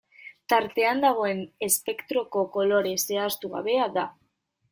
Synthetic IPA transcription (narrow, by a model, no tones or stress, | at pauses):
t̪aɾt̪e̞and̪aɣ̞o̞e̞ne̞spe̞kt̪ɾo̞ko̞ko̞lo̞ɾe̞se̞ast̪uɣa̰βe̞aða